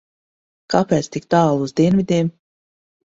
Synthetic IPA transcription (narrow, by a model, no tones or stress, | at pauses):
kapɛːt̪st̪ikt̪aːlˠuzd̪iɛnvʲid̪ʲiɛm